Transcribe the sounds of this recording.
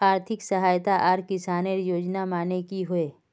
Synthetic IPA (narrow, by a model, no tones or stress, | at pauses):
aːɾt̪ʰɪksɐɦaːjt̪aʔaːɾkɪsaːneɾjoːd͡ʒnamaːnekiɦʊeː